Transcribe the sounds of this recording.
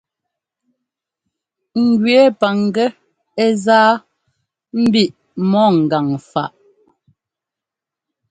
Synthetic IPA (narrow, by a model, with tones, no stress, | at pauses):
ŋ̩˨ɡɥɛ˨˦pa˨ŋ˨ɡɛ˦ | ɛ˦zaː˦ | m̩˦bi˦˨ʔ | mɔ˦˨ŋ̩˨ɡa˨ŋfa̰˨ʔ